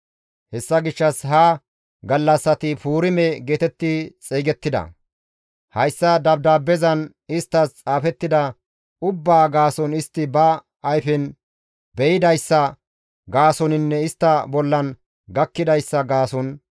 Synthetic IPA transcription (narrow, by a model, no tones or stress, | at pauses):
hɛsːɐɡɪʃːɐsɦa | ɡɐlːɐsːɐt̪ɪfuːɾɪmɛɡeːt̪ɛt̪ːɪt͡sʼeːɡɛt̪ːɪd̪ɐ̰ | hɐjsːɐd̪ɐbd̪aːbːɛzɐn | ɪst̪ːɐst͡sʼaːfɛt̪ːɪd̪ɐ | ʊbːaːɡaːsɔnɪst̪ːɪbɐː | jfɛn | bɛjɪd̪ɐjsːɐ | ɡaːsɔnɪnːɛɪst̪ːɐbɔlːɐn | ɡɐkːɪd̪ɐjsːɐɡaːsɔn